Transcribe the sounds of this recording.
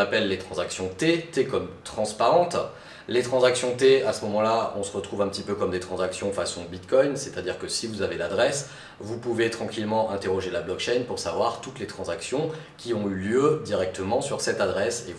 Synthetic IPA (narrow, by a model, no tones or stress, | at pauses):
apɛlːet̪χɑ̃zaksjɔ̃t̪et̪ekɔmt̪χɑ̃spaʁɑ̃t̪ | let̪χɑ̃zaksjɔ̃t̪easəmɔmɑ̃laɔ̃səʁət̪χuvɛ̃pət̪ipøkɔmd̪et̪χɑ̃zaksjɔ̃fasɔ̃bit̪kʰɔjnset̪ad̪iʁkəsivuzaved̪ad̪ʁɛs | vupuvet̪χɑ̃kʲilmɑ̃ʔɛ̃t̪eʁɔʒelablɔk̚ʃɛjnpuʁsavwaʁt̪ut̪let̪χɑ̃zaksjɔ̃ | kʲiɔ̃yljød̪iʁɛk̚t̪ʰəmɑ̃syʁsɛt̪ad̪ʁɛse